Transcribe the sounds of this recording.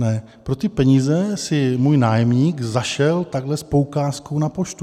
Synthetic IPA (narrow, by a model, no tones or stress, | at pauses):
nɛ | pɾo̞t̪ɪpɛɲizɛsɪmuːjnaːjɛmɲiːɡzaʃɛlt̪aɡɦlɛspo̞wkaːskownapoʃt̪u